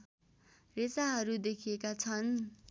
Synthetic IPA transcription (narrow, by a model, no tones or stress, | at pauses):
resaɦʌɾud̪ekʰijekat͡sʰʌn